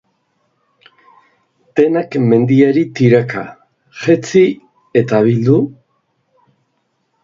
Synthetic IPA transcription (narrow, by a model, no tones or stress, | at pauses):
d̪̥e̞nakme̞nd̪iaɾit̪iɾaka | ʝet͡si | e̞t̪aβ̞ild̪u